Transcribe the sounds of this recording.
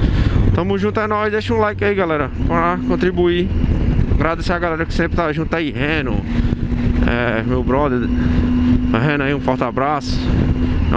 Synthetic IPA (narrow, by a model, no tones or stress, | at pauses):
t̪ɐ̃mʊʒũnt̪ʊãnɔzd̪eʃɐũlajkɪaiɡalɛɾɐpɾakõnt̪ɾibui | ɡɾad̪eseaɡalɛɾɐkɪ̥sẽpɾɪt̪aʒũt̪aiɦẽnʊ̰ | ɛ̰mewbɾɔd̪eɾ | ɦẽnaiũfɔɾt̪abɾasʊ̥